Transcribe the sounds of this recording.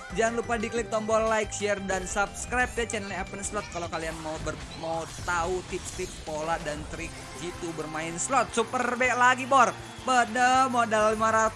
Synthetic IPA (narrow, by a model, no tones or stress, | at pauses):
d͡ʒaŋlupadiklɪk̚t̪ɔmbɔlaɪkʃɛɛrdansabskɾap̪̚at͡ʃɛnəlɲaapənslɔt̪̚kalokalianmabə | maut̪aut̪ɪp̚st̪ɾɪk̚poladant̪ɾɪk̚ | d͡ʒit̪ubərmaɪnslɔt̪̚supərbɛlaɡibɔr | pədəmodalːimaɾat̪